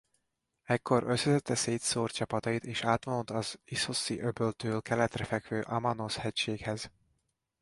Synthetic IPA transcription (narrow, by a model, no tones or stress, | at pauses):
ɛkːo̞ɾʔøsːɛzɛt̪ʰːɛseːt̪soːrt̪t͡ʃɒpɒt̪ɒjit̪eːʃaːt̪ʋonot̪ɒzisosiʔøbølt̪øːlkɛlɛt̪rɛfɛkʋøːʔɒmɒnoshɛcʃeːkhɛz